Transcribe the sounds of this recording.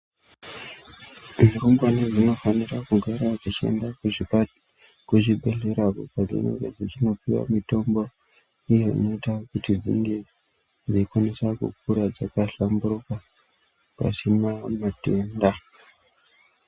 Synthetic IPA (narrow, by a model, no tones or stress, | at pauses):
muɾumbwaned͡zino̞fanirakuɡʱaɾad͡zit͡ʃie̞̰ndakui | kuʐiɓʱe̞ɬe̞ɾakupad͡zḭno̰ɾed͡zit͡ʃino̞piwa̰mito̞mbo | ijo̞ḭno̞itakutid͡zḭŋɡe̞ | d͡ziikwanesakṵk̚uɾad͡zakaɬambuɾuka | pa̰sinamatenda